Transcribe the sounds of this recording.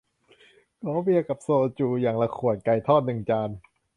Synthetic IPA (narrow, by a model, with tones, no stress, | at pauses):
kʰɔː˨˦bi˧˩əkːa˨˩p̚soː˧t͡ɕuː˧jaː˨˩ŋla˧kʰu˨˩ət̪̚ka˧jt̪ʰɔː˥˩t̪̚nɯ˨˩ŋt͡ɕaː˧n